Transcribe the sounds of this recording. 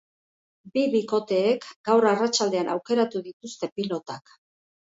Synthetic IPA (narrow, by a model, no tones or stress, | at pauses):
biβiko̞t̪e̞ːkɡawɾarat͡ʃald̪e̞anawke̞ɾat̪uðit̪ust̪e̞pilo̞t̪ak